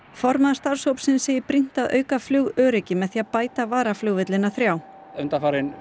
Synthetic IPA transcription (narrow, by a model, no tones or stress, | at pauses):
fɔɾmaðḁst̪aɾ̥showpsɪnsejɪpɾin̥t̪aðʔœ̰ːɥkaflʏɣœːɾɪcɪmɛðθiːaðpaːjt̪avaːɾaflʏːɣvɪt̪lɪnaθɾjaw | ʏnt̪afaːɾɪn